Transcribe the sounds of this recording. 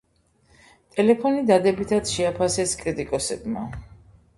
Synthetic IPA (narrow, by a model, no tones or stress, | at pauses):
t̪ʼɛlɛpʰɔnid̪ad̪ɛbit̪ʰad̪ʃɛapʰasɛskʼɾit̪ʼikʼɔsɛbma